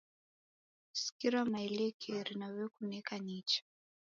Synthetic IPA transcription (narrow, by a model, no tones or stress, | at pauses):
si̥kiɾamailɛkʰɛɾinawɛkunɛkanit͡ʃḁ